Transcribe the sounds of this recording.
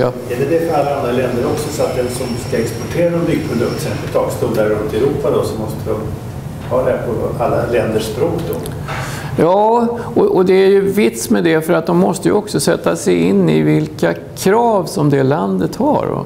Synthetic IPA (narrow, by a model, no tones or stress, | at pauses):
ɛd̪ɛd̪ɛfœɾalːaand̪ɾalɛnd̪əɾɔksɔsɔat̪̚d̪ɛnsɔmskaɛkspɔʈʰeːɾaɔmbʏɡ̚pʰɾʊd̪ɵk̚t̪sɛnpət̪ʰɑːɡst̪uːld̪aɾɾɵnt̪ɛɾuːpad̪ɔsɔmɔst̪ʰəd̪ɔm | hɑːd̪ɛpʰɔalːalɛnd̪əʂbɾoːkd̪ɔ̰ | jɑːɔʔɔd̪ɛæɾjɵvɪt̪smɛd̪ɛfœɾat̪̚d̪ɔmːɔst̪əjə̰ɔksɔsɛt̪ːasɛjɪnːɪ̰vɪlka | kʰɾɑːvsɔmd̪ɛland̪ət̪ha̰ɾɔ̰